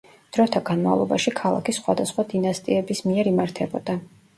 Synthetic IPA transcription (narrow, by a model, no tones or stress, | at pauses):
d̪̥ɾɔt̪ʰaɡ̥anma̰vlˠɔ̰ba̰ʃikʰalˠa̰kʰisχwa̰d̪asχwad̪inast̪ʼḭɛbismiɛɾimaɾt̪ʰɛbɔd̪̥a